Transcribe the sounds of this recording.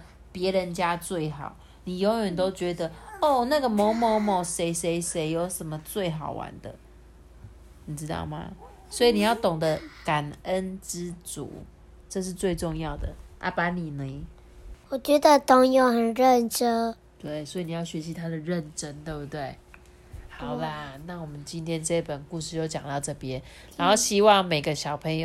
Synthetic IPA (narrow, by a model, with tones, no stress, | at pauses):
pjɛ˧˥ɻə˧˦nt͡ɕja˦t͡swe˥˩ɪxɑ˨˩˦ʊ | ni˨˩jo˧˥jɥə˨˦nt̪o˥ʊt͡ɕɥɛ˧˥d̪ə˧ɔ˥˩na˥˩ɡə˨mɔ˨˥˦mo˧˥mɔ˨˩se˧˥ɪse˧˥ɪʂe˨˥ɪjo˧˥ʊʂə˨˦nmə˦t͡swe˥˩ɪxɑ˨˩ʊwa̰˧˦nd̪ə̰˨ | ni˨˩ʈ͡ʂɻ̩˦t̪ɑ̰˥˩ʊma̰˩ | swɔ˧˥i˨ni˨˩jɑ˥˩ʊt̪ʊ˨˩ŋd̪ə˦ka˨˩nə˦nʈ͡ʂɻ̩˦t͡sṵ˨˦ | ʈ͡ʂɤ˥˧ʂ̬ɻ̩˥˧t͡swe˥˧ɪʈ͡ʂʊ˥˧ŋjɑ˥˩ʊd̪ə̰˩ʔa̰˥pa˧˥ni˨˩ni˨˦ | wɔ˨˩t͡ɕɥɛ˧˥d̪ə˧t̪ʊ˨˩ŋjo˨˩ʊxə˨˩nɻə˥˧nʈ͡ʂə˥ | t̪we˥˩ɪswɔ˧˥i˨˩ni˨˩jɑ˥˩ʊɕɥɛ˧˥ɕi˧t̪ʰa˥d̪ə˨ɻə˥˨nʈ͡ʂə˦nt̪we˥ɪbu˧˩t̪we˥˩ɪ | xɑ˨˩ʊlə˧˦na˥˩wɔ˨˩mə˦nt͡ɕi˦nt̪ʰjɛ˥˦nʈ͡ʂɤ˥˧i˥˩pə˨˩nku˥˧ʂ̬ɻ̩˥˧jo˥˧ʊt͡ɕjɑ˨˩ŋt̪ɑ˥˧ʊʈ͡ʂɤ˥˧˩pjɛ˦nɻa˧˦nxo˥˧ʊɕi˥wɑ˥˩ŋme˨˩ɪɡə˦ɕjɑ˨˩ʊpʰə˧˥ŋjo˨